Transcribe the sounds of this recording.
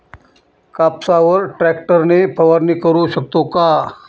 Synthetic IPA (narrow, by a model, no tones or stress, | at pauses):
kapsaʋəɾʈɾɛk̚ʈəɾnepʰəʋaɾnikəɾuɕək̚t̪oka